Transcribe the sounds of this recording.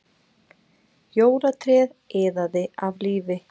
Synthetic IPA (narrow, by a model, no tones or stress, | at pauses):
joːwɾat̪ʰɾɛːðɛːðaðɪavliːvɪ